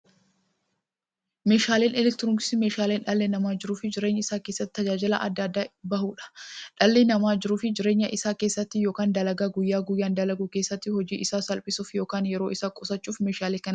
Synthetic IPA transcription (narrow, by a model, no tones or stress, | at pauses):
me̞ːʃaːleːnɛlɛk̚t̪ɪɾɔŋkɪ̥sɪme̞ːʃaːleːnᶑɐlːeːnɐmaːd͡ʒɪɾuːfɪd͡ʒɪɾe̞ːɲːɐɪsaːke̞ːsːɐt̪ːɪ̥t̪ɐd͡ʒaːd͡ʒɪlɐ̰ʔɐ̰d̪ːɐd̪ːaːbɐhuːᶑɐ̥ᶑɐlːeːnɐmaːd͡ʒɪɾuːfɪd͡ʒɪɾe̞ːɲːɐʔɪsaːke̞ːsːɐt̪ːɪjo̞ːkaːnd̪ɐlɐɡaːɡʊjːaːɡʊjːaːnd̪ɐlɐɡuke̞ːsːɐt̪ːɪhɔd͡ʒiːʔɪsaːsɐlpʼɪsuːfjo̞ːkaːnjɛɾo̞ːʔɪsaːkʼɔsɐt͡ʃːuːfmeːʃaːleːkɐn